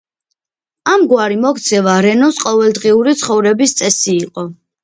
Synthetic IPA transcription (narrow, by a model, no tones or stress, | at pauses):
amɡwaɾimɔkʰt̪sʰɛvaɾɛnɔsqʼɔvɛld̪ʁiuɾit̪sʰχɔvɾɛbist̪sʼɛsiːqʼɔ